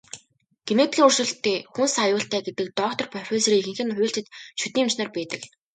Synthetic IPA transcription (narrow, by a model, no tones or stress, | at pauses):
ɡ̥enet̪xʲiːŋurʃɵ̆ɮt̪eːxunsajʊːɬt̪æːɡet̪ɘ̆k̚t̪ɔkt̪ɞ̆rpœr̥ʲxʲeːsriːixɘ̆ŋxɘ̆nχʊːɬt͡ɕɘ̆t̪ʃut̪iːmt͡ɕnɔːrpæːt̪ə̆k